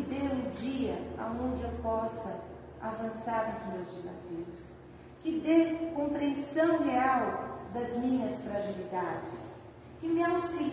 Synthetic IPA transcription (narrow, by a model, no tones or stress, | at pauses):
d̪eɾʊ̃d͡ʒiɐa̰õnd͡ʒɪewpɔsɐ | avɐ̃saɾnʊzmewzd͡ʒɪza̰fiʊs | kɪd̪ekõmpɾiẽnsɐ̃w̃ɦeawd̪ɐzmĩɲɐsfɾaʒilid̪ad͡ʒɪs | kɪmɪawsi